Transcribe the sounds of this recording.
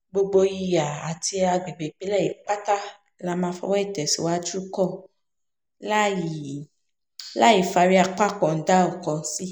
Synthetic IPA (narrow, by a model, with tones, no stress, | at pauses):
ɡ͡bo˧ɡ͡bo˧ji˧ja˨a˨ti˧a˧ɡ͡be˨ɡ͡be˨k͡pe˨˦lɛ˦˨ji˨k͡pa˦ta˦ | la˨˧mã˧fɔ̰˧˦wɛ˦i˦˨tɛ˨sḭ˨wa˨˦d͡ʒu˦kɔ˦˨ | li˨ | la˦ji˨fa˧ɾi˦a˧k͡pa˦kɔ̃˨n̩˨˦da˦ɔ˨kɔ̃˨n̩˦si˦